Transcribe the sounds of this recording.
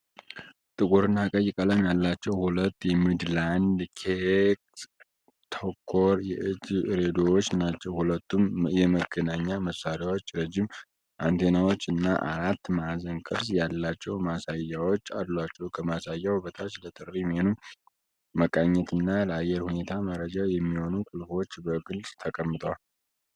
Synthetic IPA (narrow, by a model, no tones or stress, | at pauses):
t̪ʼɨkʼuɾɨnːakʼəjɪkʼələmjalːat͡ʃːɛwhulət̪ːjɛmɨd̪land̪kʰeks | t̪ʰokʰːo̞ɾjɛʔɨd͡ʒɨɾed̪owot͡ʃːnat͡ʃːɛwhulət̪ːumjɛməɡənaɲːaməsaɾjawo̞t͡ʃːɾəd͡ʒːim | ʔant̪ʰenawo̞t͡ʃːɨnːaʔaɾat̪ːmazənkʼɨɾsjalːat͡ʃːɛwmasajːawot͡ʃːad̪lwat͡ʃːɛwukʰəmasajːawbət̪ʰʼat͡ʃlət̪ʼɨɾʼɾimhenu | məkʼaɲːɛt̪ɨnːaləajɛɾhune̞t̪ʰaməɾəd͡ʒajɛmːiho̞nukʼulfo̞t͡ʃːbəɡɨlsʼt̪ʰəkʼəmːɨt̪ʼəwal